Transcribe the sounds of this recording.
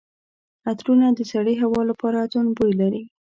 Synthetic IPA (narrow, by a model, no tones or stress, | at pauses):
at̪ɾunad̪əsaɽiɦawɑlapɑɾazonbojlaɾi